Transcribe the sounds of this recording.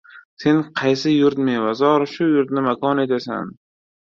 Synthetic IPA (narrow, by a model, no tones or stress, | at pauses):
se̞nqʰɑjsɪjʊɾt̪mevazɒɾʃʊjʊɾt̪̚nɪmakɒne̞t̪asa̰n